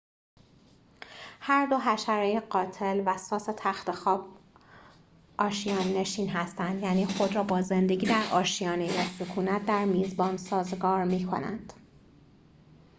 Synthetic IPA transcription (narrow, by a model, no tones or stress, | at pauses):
hæɾd̪o̞ɦæʃæɾɒːjeɢɒːt̪ʰe̞lvæsɒːset̪ʰæxt̪e̞xɒːb | ʔɒːʃijɒːnːe̞ʃiːnɦæst̪ænd̪jæːniːxo̞d̪ɾɒːbɒːze̞nd̪e̞ɟiːd̪æɾʔɒːʃijɒːnejesokʰuːnæt̪̚ʰd̪æɾmiːzbɒːnsɒːzeɡɒːɾmiːkʰo̞̰næ̰nd̪̥